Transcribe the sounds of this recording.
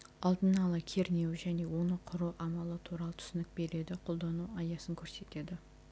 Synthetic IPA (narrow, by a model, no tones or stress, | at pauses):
ɑlˠd̪ənɑlˠəkʲʰe̞ɾne̞wʒæne̞wo̞nəqʰʊɾuwʔɑmɑlˠət̪ʰuɾɑlˠət̪ʰʏ̥sɪnɪk̚be̞ɾe̞d̪ɪqʰo̞lˠd̪ɑnuɑjɑsəŋkʲʰɵɾse̞t̪e̞d̪ɪ